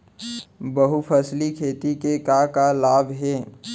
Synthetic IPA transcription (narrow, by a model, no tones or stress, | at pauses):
bəɦupʰəslikʰeːt̪ikekakalaːbɦɛː